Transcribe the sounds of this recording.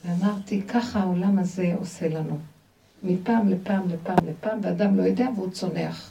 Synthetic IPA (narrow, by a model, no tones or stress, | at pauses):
veamaʁt̪ikʰaχaaolamaze̞ose̞lanu | mipaːmlepaːmlepaːmlepaːmvead̪amlo̞jod̪e̞aveut͡so̞ne̞̰aχ